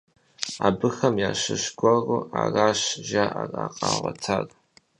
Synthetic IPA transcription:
abɨxɐmjaːʃɨʃɡʷɐruaraːʃʒaʔaraqʼaːʁʷatʰar

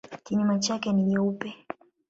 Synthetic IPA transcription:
kiɲumat͡ʃakɛniliupɛ

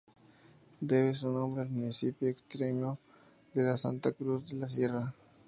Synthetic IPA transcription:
d̪eβes̬unõmbɾelmunisipjoekst̪ɾemo | d̪elasa̰nt̪akɾuzd̪elas̬ira

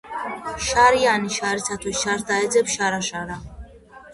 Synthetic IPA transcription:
ʃaɾianiʃaɾit͡sʰat̪ʰɔsʃaɾsd̪aɛd͡zɛpʃaɾaʃaɾa

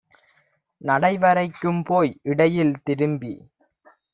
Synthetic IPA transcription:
nɐɽɐɪʋɐɾɐɪkːɯmpoːjɪɽɐjɪlt̪ɪɾɯmbi

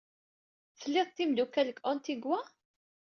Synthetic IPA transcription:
θəlːɪðˤt̪ːimd̪ukːæləkːʔɔnt̪iɡwæ

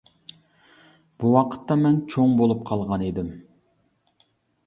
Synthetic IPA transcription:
b̥uwɑqʰə̥t̪ːɑmɛnt͡ʃʰoŋbolˠup̚qʰɑlˠʁɑned̪ɪm

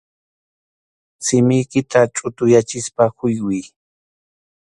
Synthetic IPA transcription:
sɪmɪjkɪt̪at͡ʃʼʊt̪ʊjat͡ʃɪspahʊjwɪj

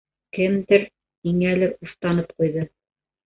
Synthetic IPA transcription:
kɘmd̪ɘɾ | iŋælɘɾuʃt̪ɑnɤp̚qujðɤ

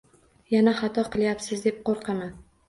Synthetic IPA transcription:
janaχɑt̪ʰɒqʰɨlˠjapsɪzd̪e̞p̚qoɾqʰɑman

